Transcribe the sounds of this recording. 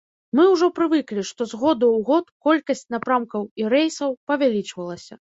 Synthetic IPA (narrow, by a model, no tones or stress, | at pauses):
mɨwʐɔpɾɨvɨklʲiʂt̪ɔzɣɔd̪uwɣɔt̪kɔlʲkɐsʲt͡sʲnapɾamkɐwiɾɛjsɐwpɐvʲalʲit͡ʂvɐlˠɐsʲɐ̰